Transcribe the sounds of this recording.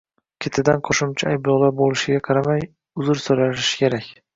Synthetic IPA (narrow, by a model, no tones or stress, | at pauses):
kʲʰet̪ʰɪd̪anqʰoʃɪmt͡ʃʰaajblˠɒlˠaɾbolɪʃɪɡʲaqʰɑɾamaj | ʊzʊɾsojlaɪʃɪ̥kʲʰe̞ɾakʲ